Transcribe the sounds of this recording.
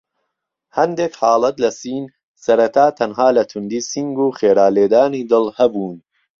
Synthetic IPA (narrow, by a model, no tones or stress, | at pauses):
hɐnd̪eːkħɑːlˠɐt̪lɐsiːn | sɐɾɐt̪ʰaːt̪ʰɐnɦaːlɐt̪ʰʊnd̪iːsiŋɡuːxeːɾaːleːd̪aːniːd̪ɨlˠhɐbuːn